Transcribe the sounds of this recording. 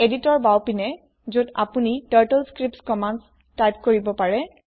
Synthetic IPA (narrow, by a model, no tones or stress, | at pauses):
editɔɹbawpinɛ | zuda̰punitaɹtɛlskɹip̚tskɔmands | tajp̚koɹibɔpaɹɛ